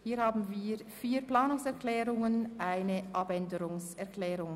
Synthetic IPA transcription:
hiːhaːbn̩viːʁfiːplaːnʊŋsɛʁklɛːʁʊŋənʔaɪnəʔɑbɛndəɾʊŋsɛɐʁklɛːʁʊŋ

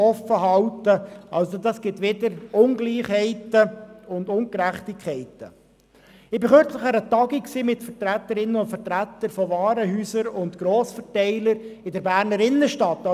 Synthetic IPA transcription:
ɔfːəɦɑltəʔɑlsod̪ɑsɡ̥ɪtʋɪdəɾʊnɡliːχhɛɪtəʊndʊŋkɾæχt̪ikʰχɛɪtə | ɪbɪχøɾt͡sləχæːɾət̪ɑɡiksiːmɪt̪fəɾtɾæt̪ːəɾɪnːənʊntfəɾtɾæt̪ːəɾfɔvɑːɾəɦyːsəɾʊntɡɾoːsfəɾtɛɪləɾɪdɛɾbæːɾnəɾɪnːəʃtɑt̪ːɑ

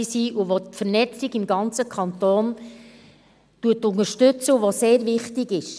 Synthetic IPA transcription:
siːʔuʋotfəɾnɛt͡siɡɪmɡɑnt͡səkʰɑnt̪oːn | tuətːʊŋəʃtʏt͡səuʋoseːɾvɪχtɪɡɪʃ

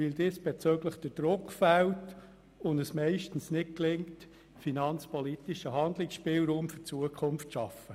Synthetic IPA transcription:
ʋɪld̪eːsb̥et͡søɡləχd̥əd̥ɾʊkχfælt | ʊndəsmɛɪʃtən̩snɪk̚klɪŋt | finɑnt͡spɔlit̪iʃəɦɑnd̪lɪksʃpiːlɾuːmfʏt͡suəkʰʊmftʃɑfə

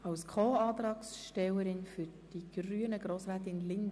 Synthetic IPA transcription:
ɑwskʰoːɑːt̪ɾɑːksʃtɛwəɾɪnfyɾd̥iɡ̥ryənəɡɾoːsɾæːtɪnlɪnd

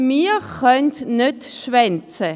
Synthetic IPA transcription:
miːχœntnøtʃvɛnt͡sə

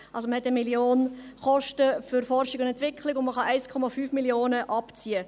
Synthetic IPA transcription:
ʔɑlsoməhɛtəmiljoːnχɔʃtəfʏɾfɔrʃɪɡʊndɛntʋɪkʰlɪɡʊnməχɑʔæɪskʰɔmɑfyːfmiljoːnəʔɑpt͡siə

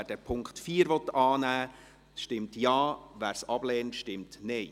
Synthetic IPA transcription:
æd̥ɛpʰʊŋktfiːəɾʋɔt̪ɑːnæː | ʃtɪmtjɑːʋæːɾsɑb̥lɛːntʃtɪmtneɪ

